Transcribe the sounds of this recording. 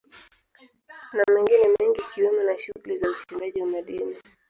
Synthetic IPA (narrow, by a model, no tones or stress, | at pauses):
namɛŋɡinɛmɛŋɡikiwɛmɛnaʃuɣulizauʃindaʄiwamaɗini